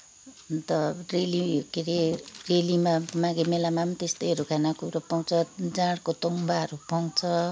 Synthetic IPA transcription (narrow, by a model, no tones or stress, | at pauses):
t̪ʌrelikeɾerelimamãɡemelamamt̪est̪ʌjʌɾukʰanakuɾʌpaw̃t͡sʰʌd͡zãɽkot̪ʌŋbaɦʌɾupaw̃t͡sʰʌ